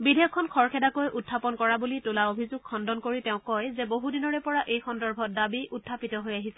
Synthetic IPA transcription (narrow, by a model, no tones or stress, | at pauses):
bidɛjɔkʰːɔnkʰɔɹkʰɛdakojʔutʰːapɔnkɔɹabulitʊlaobʱizuɡ̚kʰɔndɔnkoɹitɛʊ̃kɔjzɛboɦudinɔɹɛpɔɹaʔejxɔndɔɹbʱɔt̚dabiutʰːapitɔɦojaɦisɛ